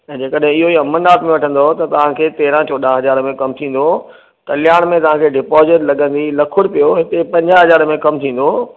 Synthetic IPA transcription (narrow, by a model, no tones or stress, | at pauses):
ɛ̃ːd͡ʑeːkəɗɦɪ̃ɪɦoiɐmənaːt̪mẽʋɐʈʰə̃n̆d̪ot̪ɐt̪ɐʋ̤ãkʰeːt̪eːɾãt͡ɕʰɔːɗaɦɐzaːɾmẽkɐmt̪ʰĩːn̆d̪o | kɐljaːɽ̃mẽt̪ɐʋ̤ãːkʰeːɖɪpɔːzɪʈlɐɠə̃nd̪ilɐkʰʊɽpijoɦɪt̪epɐ̃ɲd͡ʑaɦɐzaːɾmẽkɐmt̪ʰĩːn̆d̪o